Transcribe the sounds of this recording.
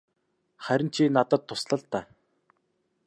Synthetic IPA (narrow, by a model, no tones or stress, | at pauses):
χæɾʲɪ̆nt͡ɕʰiːnat̪ə̆t̪ʰːʊsɮə̆ɮt̪ːaː